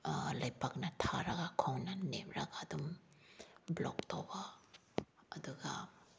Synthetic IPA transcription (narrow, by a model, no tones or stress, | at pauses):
lɐjpɐk̚nɐtʰaɾɐɡakʰownɐnep̚ʰɾɐɡadum | blo̰ktobaː | duɡɐ